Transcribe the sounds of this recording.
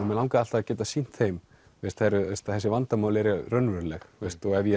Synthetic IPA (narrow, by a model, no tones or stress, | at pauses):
mɛnlawŋkaðal̥t̪aacɛːt̪asin̥t̪θejm | vest̪hɛɾʏest̪aθɛsːɪvant̪amawlɛɾɛrœnvœɾlɛxvest̪ɔɛvjɛ